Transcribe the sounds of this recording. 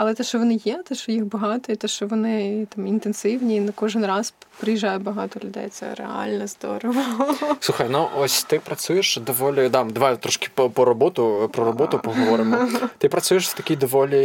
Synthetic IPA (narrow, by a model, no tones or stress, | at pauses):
ɐlˠɛt̪ɛʃt͡ʃɔʋɔnɪjɛt̪ɛʃt͡ʃɔjixbɐɦɑt̪ɔit̪ɛʃt͡ʃɔʋɔnɪt̪ɑmint̪ensɪwnʲinkɔʒɪnrɑzpɾɪjiʒɑjʊbɐɦɑt̪ɔlʲʊd̪ɛ̰jt̪sɛ̰ɾḛɑ̰lʲnɛzd̪ɔ̰ɾɔʋɔɔsuxɐjnʊʔɔsʲt̪ɪpɾɐt͡s̪ʲujeʃd̪ɔʋɔlʲid̪ɑd̪ɐʋajt̪ɾɔʃkʲɪ̥ppɔɾɔbɔt̪ʊpɾɔɾɔbɔt̪ʊpɔɦɔʋɔɾɪmɔt̪ɪpɾɐt͡s̪ʲujeʃst̪ɐkʲijd̪ɔʋɔlʲi